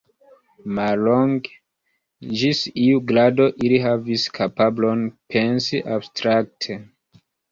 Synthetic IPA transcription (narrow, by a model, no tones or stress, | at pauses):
malloŋɡ | d͡ʒisiuɡladoʔiliɦaviskʰapablonpʰensiʔabstɾak̚tʰe